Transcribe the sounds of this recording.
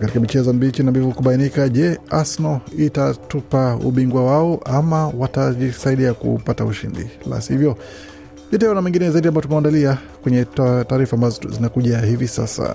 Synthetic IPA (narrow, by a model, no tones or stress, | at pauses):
katikamit͡ʃɛzɔam̩bit͡ʃinambivukuɓainikaʄɛasnɔitatupaṵɓiŋɡwawaɔʔamawataʄisaiɗiakṵpatauʃḭndḭla̰sihivjɔ | ʄɛtɛɔnamɛŋɡinɛzaiɗiambaɔtumaandalia | kwɛɲɛtaːɾifaːmbazɔzinakuʄahivisa̰sa̰